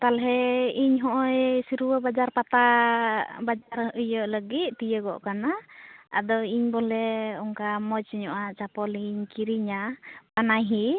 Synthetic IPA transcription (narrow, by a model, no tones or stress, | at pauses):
t̪alɦɛiɲɦɔʔɔjsiɾuwəbad͡ʒaɾpat̪a | bad͡ʒaɾʔujəʔləɡit̪̚ˀt̪ijəɡɔ̰ʔkanaa̰d̪ɔiɲbɔlɛɔŋkamɔsiɲɔʔat͡ʃapɔliɲkiɾiɲabanajɦi